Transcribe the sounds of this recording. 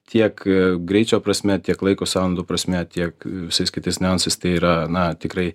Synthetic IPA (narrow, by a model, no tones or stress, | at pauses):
t̪ʲiɛkɡɾʲɛɪt͡ʃʲoːpɾɐsʲmʲɛt̪ʲiɛklˠɐɪkoːsɑːlˠɐnd̪oːpɾɐsʲmʲɛt̪ʲiɛkʋʲɪsɐɪskʲɪt̪ɐɪsʲnʲɛɐnsɐɪst̪ɐɪiːɾɐnɐt̪ʲɪkɾɐɪ